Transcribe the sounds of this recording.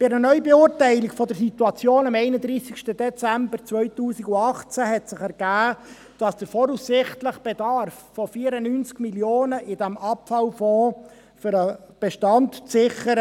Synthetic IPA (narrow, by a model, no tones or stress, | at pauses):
b̥ɪɾənœʏbeuːɾtɛɪliɡfɔdəɾsit̪uɑt͡sjoːnɑmɛɪnədɾiːsɪkʃtəd̥ɛt͡sæmbəɾt͡svœʏtuːsiɡʊɑχt͡sæɦɛtsɪχɛɾɡ̥æː | d̥ɑsd̥əɾfɔɾusːɪχtləχb̥ɛdɑrfːɔfiːɾənynt͡skmiljoːnəʔɪdæmɑpfɑlfɔː | fʏɾəb̥ɛʃtɑntt͡sɪχəɾə